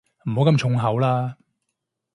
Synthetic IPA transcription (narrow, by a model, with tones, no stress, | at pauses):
m̩˨˩ho˨˥wkɐ˧mt͡ʃʰʊ˨˥ŋɦɐ˨˥wlaː˥